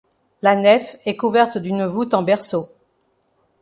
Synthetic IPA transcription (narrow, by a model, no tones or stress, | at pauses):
lanɛfɛkuvɛʁt̪d̪ynvut̪ɑ̃bɛʁso